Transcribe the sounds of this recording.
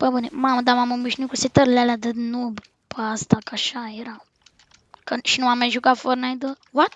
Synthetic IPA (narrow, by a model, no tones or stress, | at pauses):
pəbənemaməd̪amaməmiʃnikuset̪əɾlalad̪əd̪nub | pəast̪akaʃajeɾaw | kəʃinuamaʒukafoɾnajd̪owɔt̪